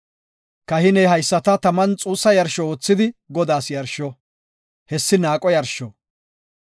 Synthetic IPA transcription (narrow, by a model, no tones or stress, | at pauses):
kɐhɪnɛjɦɐjsːɐt̪ɐt̪ɐmɐnt͡sʼuːsːɐjɐɾʃɔoːt͡sːɪd̪ɪɡɔd̪aːsjɐɾʃɔ | hɛsːɪnaːkʼɔjɐɾʃɔ